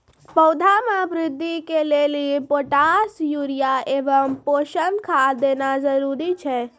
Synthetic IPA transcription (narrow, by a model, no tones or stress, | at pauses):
pəwd̪ʱamabɾɪd̪ʱːikelelipoʈasjuɾijaebəmpoʃənd̪kʰad̪enad͡ʒəɾuɾit͡ʃʰɛ